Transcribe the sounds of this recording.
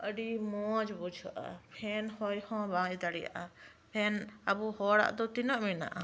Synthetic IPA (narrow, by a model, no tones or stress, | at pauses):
ʔəɖimɔd͡ʒbud͡ʒʱɔʔa̰pʰɛnhɔjhɔ̃bãːjd̪aɽija̰ʔa | pʰɛnabuhɔɽa̰ʔd̪ɔt̪inɔʔmina̰ʔa